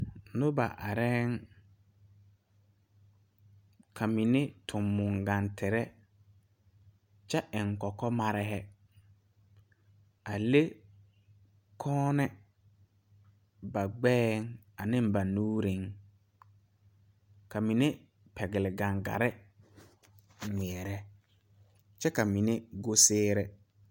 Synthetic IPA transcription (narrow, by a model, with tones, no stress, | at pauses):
nʊ˦ba̰˨ʔa˨ɾɛ˦ŋ | kʰa˨mi˨ne˦tʰʊ˨mːʊ˨ŋɡa˨ntʰɪ˨ɾɛ˦ | t͡ʃɛ˦ʔɪ˨ŋ˨kɔ˨kɔ˦ma˦ɾɪ˦ɦɛ˦ | a˨le˦ | kʰɔː˦nɛ˦ | ba˨ɡ͡bɛː˦ŋ | a˨nɪ̃˦mba˨nuː˦ɾi˦ŋ | ka˨mi˨ne˦ | pʰɛ˨ɡɪ˨lɪ˨ɡã˨ŋɡa̰˨ɾɪ˦ | ŋɪ˨ɛ˨ɾɛ˦ | t͡ʃɛ˦ka˨mi˨ne˦ɡo˦sɪː˦ɾɛ˨